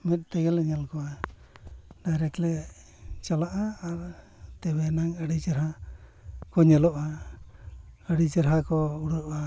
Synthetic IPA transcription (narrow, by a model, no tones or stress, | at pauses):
mɛt̪̚ˀt̪əɡɛləɲɛlkɔa | dajɾɛklɛ | t͡ʃalaʔaːɾ | t̪ɛbɛnaŋəɽid͡ʒəɾɦa | kɔɲɛlɔʔa | əɽid͡ʒəɾɦakɔuɽua